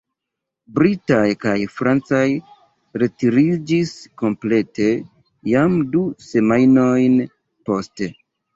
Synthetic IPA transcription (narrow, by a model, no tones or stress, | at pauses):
bɾitajkajfɾant͡saj | ɾe̞tiɾid͡ʒisko̞mple̞te | jamduse̞majno̞jn | po̞ste